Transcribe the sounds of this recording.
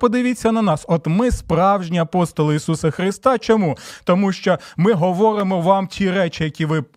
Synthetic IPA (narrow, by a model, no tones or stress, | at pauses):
pɔd̪ɪʋʲit͡sʲːɐnɐnɑsɔt̪mɪspɾɑwʒnʲiɐpɔst̪ɔlˠɪisusɐxɾɪst̪ɑt͡ʃɔmut̪ɔmuʃt͡ʃɔmɪɦɔʋɔɾɪmɔʋɑmtʲʰiɾɛt͡ʃɪjɐkʲiʋɪ